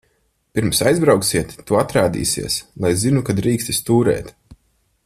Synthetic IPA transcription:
piɾmsajzbɾawksiɛt̪ːuat̪ɾaːd̪ḭːsḭɛslˠajzinukad̪ɾiːkst̪ist̪uːɾɛ̰ːt̪

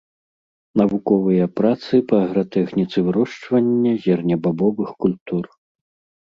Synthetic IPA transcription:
nɐvukɔvɨjɐpɾat̪sɨpɐːɣɾɔt̪ɛxnʲit̪sɨvɨɾɔʂt͡ʂvɐnʲːɐzʲɛrnʲɐbabɔvɨxkulʲt̪ur

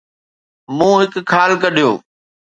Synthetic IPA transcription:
mũːɦɪkʰːaːlkəɗʱijo̰ː

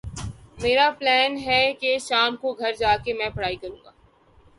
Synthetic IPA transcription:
meːɾaplɛːnɦɛkeʃaːmkoɡʱɐɾd͡ʒaːkemɛ̃ːpɐɽaːikɐɾũːŋɡa̰ː

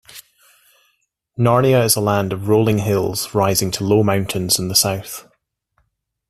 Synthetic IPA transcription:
nɑɹniəɪzəlˠãndəvɹoːlˠɪ̃ŋɦɪlˠz̥ɹaɪzɪ̃ŋtʰəlˠoːmãʊ̃nʔɪ̃nz̥ɪ̃nðəsaʊθ

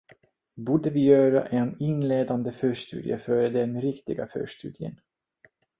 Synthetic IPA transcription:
buːɖəvɪjœːɾa̰ʔɛnɪnleːd̪and̪əfœːʂt̪ʉ̟ːd̪jə̰fœːɾəd̪ɛnɾɪkt̪ɪɡafœ̰ːʂt̪ʉ̟ːd̪jə̰n

